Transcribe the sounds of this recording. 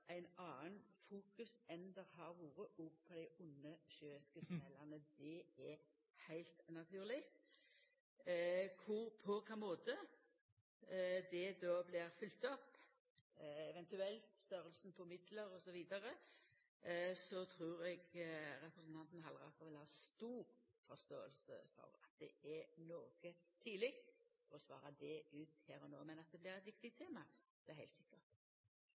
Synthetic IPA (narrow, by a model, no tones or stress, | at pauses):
æɪnɑːənfuːkʉsɛnd̪əɾɦɑɾʋuːɾəʔɔːɡpʰɔd̪æɪʊnːəʃøːɪskəspɛlːɑʁnəd̪ɛɛ | hæɪlt̪nɑt̪ʰʉːʁlɪɡt̪ | kʰʊɾpʰɔkʰɑmoːt̪ə | d̪ɛd̪oːblɪʁfʏlt̪ɔpː | ɛʋɛnt̪ʉɛlt̪st̪œɾəlsn̩pʰɔmɪd̪ləɾɔsɔʋiːd̪ɑɾə | sɔt̪ʰɾuːɾɛɡɾɛpɾəsn̩t̪ɑnt̪n̩ɦɑlʁɑ̰kəʋɛlɑʋst̪uːʁ | fɔɾst̪oːə̰lsə̰fɔ̰ɾɑ̰t̪̚d̪ɛ̰ɛnoːɡ̥ət̪ʰiːlɪk̚t̪fɔɾɔsʋɑ̰ːɾɑd̪ɛʉːt̪hæːɾɔno̰ːmɛnɑt̪̚d̪ɛblɪʁɛt̪ʋɪkt̪ɪt̪ʰeːmɑd̪̥ɛæɾhæɪlt̪sɪkːəʁt̪